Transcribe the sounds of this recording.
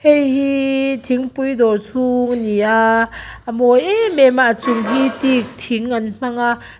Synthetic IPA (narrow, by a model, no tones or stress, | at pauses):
hejhitʰiŋpujdɔɾsʰuŋnija | mojememat͡suŋɦitik̚tʰiŋːanm̥aŋa